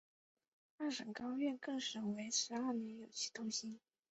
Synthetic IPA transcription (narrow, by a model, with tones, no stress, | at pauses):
a˥˩ʂə˨˩ŋkɑ˥ʊɥɛ˥˧kɤ˥˩ŋʂə˨˩ŋwe˧˥ɪʂʰɻ̩˧˥a˞˥˩nɛ˧˥njo˨˩ʊt͡ɕʰi̥˥˩t̪ʊ˥ŋɕi˧˥